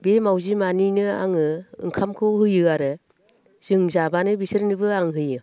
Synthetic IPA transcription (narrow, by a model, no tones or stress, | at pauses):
bemawzimaninɯa̰ŋɯɯ̰ŋkʰamkʰɯwɦɯjɯaɾɯ | z̥ɯŋzabanɯbisɯɾnɯbɯaŋɦɯjɯ